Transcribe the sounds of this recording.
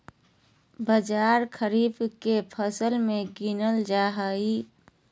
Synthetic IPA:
bəd͡ʒaːɾkʰəɾiːbkepʰəsəlmẽɡinəld͡ʒaːɦəi

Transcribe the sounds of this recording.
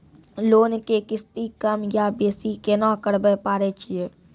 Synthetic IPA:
loːnkekɪst̪ikəmjabeːsikenãkəɾbəpaːɾet͡ʃʰieː

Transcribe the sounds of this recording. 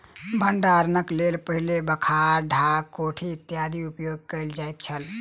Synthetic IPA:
bʱəɳɖaɾnəklelpəɦilebəkʰaɖʱakoʈʰiːt̪jad̪ʱiupjoɡ̚kəɪld͡ʒajt̪̚t͡ʃʰəl

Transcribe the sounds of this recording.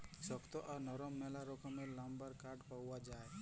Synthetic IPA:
sɔkt̪ɔʔaɾnɔɾɔmːɛlaɾɔkɔmelambəɾkaɖpawad͡ʒae

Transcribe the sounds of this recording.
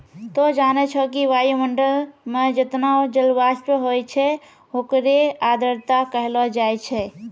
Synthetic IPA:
t̪ɔd͡ʒanɛt͡ʃʰɔkiʋajuməɳɖəlmed͡ʒet̪naod͡ʒəlbaspəɦojt͡ʃʰɛ | ɦokɾead̪əɾt̪akəɦlɔd͡ʒajt͡ʃʰɛ

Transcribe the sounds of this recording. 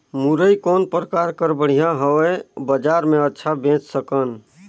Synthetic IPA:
muɾəikoːnpɾəkaɾkəɾbəɽ̤ijãɦəɛbəd͡ʒaɾmẽətːʃʰabẽt͡ʃsəkən

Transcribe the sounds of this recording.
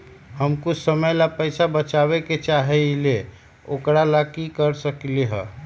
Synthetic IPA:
ɦəmkʊt͡ʃʰsəməjlapəɪsabət͡ʃabeket͡ʃaɦɛle | okɾalakikəɾsəkleɦə

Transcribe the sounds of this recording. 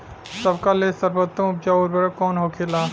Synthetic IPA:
sɐbkalesəɾbət̪ːə̃mʊp̚d͡ʒaoːɾbɐɾəkɔːnɦoːkʰeːlaː

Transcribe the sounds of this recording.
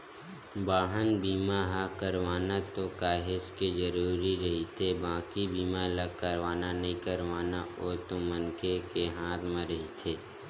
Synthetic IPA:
baːɦənbiːmaɦakəɾʋaːnat̪okaːɦɪskezəɾuːɾiɾɐɦit̪ʰebãːkibiːmaləkəɾʋaːnanɐɦĩkəɾʋaːnaoːɾt̪omənkekeɦãːt̪mẽɾɐɦit̪ʰeː

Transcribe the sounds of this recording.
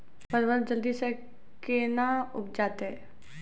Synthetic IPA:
pəɾʋəɾd͡ʒɐld̪ise | keːnaʊp̚d͡ʒaːt̪eɦɛː

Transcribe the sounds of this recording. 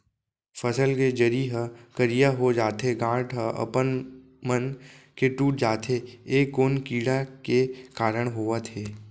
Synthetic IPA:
fʰəsəlked͡ʒəɾiɦəkəɾijaɦod͡ʒaːt̪ʰeɡãːʈɦəə̰pən | mənkeʈuːʈ̚d͡ʒaːt̪ʰeeːkːoːnkiːɽakekaːɾəɽ̃ɦoːat̪ʰeː

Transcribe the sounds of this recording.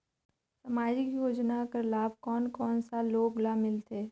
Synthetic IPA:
samaːd͡ʒɪkjoːd͡ʒnakəɾlaːb̚kɔːnkɔːnsaloːɡlamɪlt̪eː

